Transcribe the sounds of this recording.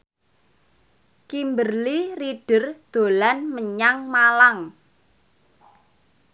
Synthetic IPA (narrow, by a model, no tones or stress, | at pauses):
kimbərliriɖ̥ə̤rd̪̥o̤lanməɲaŋmalaŋ